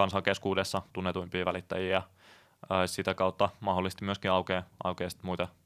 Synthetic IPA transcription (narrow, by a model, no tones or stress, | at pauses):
kɑnsɑŋkeskuːdesːɑt̪unːet̪uimpiːʋælit̪ːæ̰jiːjɑː | sit̪ækɑut̪ːɑmɑholːˑist̪imyøskiɑukeːɑ̰ukeːst̪muit̪ɑ